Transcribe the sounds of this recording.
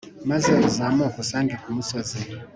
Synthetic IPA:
mazaɔzamɔkɔsaŋɡikumusazɛ

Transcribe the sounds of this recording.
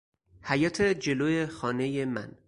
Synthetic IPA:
hæjɒːt̪ʰed͡ʒe̞loːjexɒːne̞jemæ̰n

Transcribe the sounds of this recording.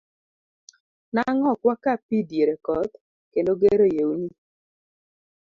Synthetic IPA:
naŋɔkwakapidjeɾekɔt̪ | kendoɡeɾojewuni

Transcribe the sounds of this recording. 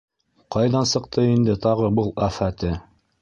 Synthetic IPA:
qɑjðɑnsɤ̆qt̪ʰɤind̪ɘt̪ɑʁɤbɤlˠæfæt̪ɘ

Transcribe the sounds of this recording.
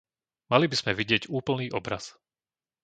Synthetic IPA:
malibiz̥mɛʋiɟɪɛɟuːpl̩niːʔɔbɾa̰s

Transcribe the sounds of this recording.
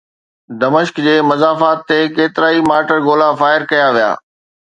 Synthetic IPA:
d̪ɐməʃkd͡ʑeːmɐzaːfaːt̪ʰːekeːt̪ɪɾaːimaːʈəɾɡoːlafaːɪɾkɐjaʋija̰ː

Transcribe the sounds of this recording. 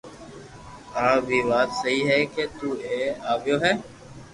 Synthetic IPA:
aːbʱiːʋaːt̪səɦiːɦɛːkeːt̪uːeːaːʋɪjoːɦɛː

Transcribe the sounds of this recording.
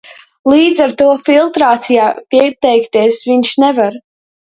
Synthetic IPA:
lˠiːd̪zaɾt̪uɔfilˠt̪ɾaːt̪sijaːpiɛt̪ɛjkt̪iɛsviɲʃnɛvaɾ

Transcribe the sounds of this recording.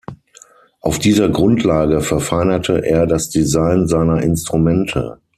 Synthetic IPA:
ʔaʊfd̥iːzɐɡʁʊntʰlaːɡəfɛɐfaɪnɐtʰəʔeːɐdasd̥izaɪnzaɪnɐʔɪnstʁ̥umɛntʰə̰

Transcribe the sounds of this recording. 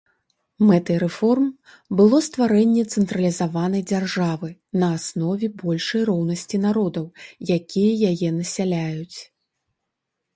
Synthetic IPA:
mɛt̪ɨɾɛfɔrm | bɨlˠɔst̪vaɾɛnʲːɛt̪sɛnt̪ɾɐlʲizavanɐjd͡zʲarʐavɨnɐːsnɔvʲɛbɔlʲʂɐjrɔwnɐsʲt͡sʲin̪aɾɔd̪ɐwjakʲʰijɛjajɛnɐsʲalʲajut͡sʲ

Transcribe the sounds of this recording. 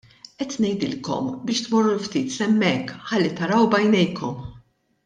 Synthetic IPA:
ʔɛt̪nɛjd̪ɪlkɔ̰mbɪːʃt̪mɔrːulft̪iːt̪sɛmːɛkːħɐlːit̪ɐɾɐwbɐjnɛjkɔm

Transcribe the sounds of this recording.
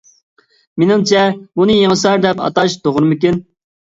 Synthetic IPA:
menɪŋt͡ʃʰɛbunɨjeŋəsɑɾd̪ɛpɑ̰t̪ɑʃd̪oʁɾmɪkʲin

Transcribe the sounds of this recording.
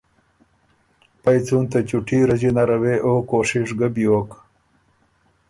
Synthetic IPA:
pajt͡sunt̪at͡ʃuʈʰiɾəd͡ʑinaɾaweʔoːkoːʂɪʂɡəbjoːk

